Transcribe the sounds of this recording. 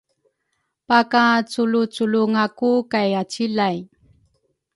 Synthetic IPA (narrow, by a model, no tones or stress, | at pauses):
pakat͡sulut͡suluŋakukajat͡ɕilaj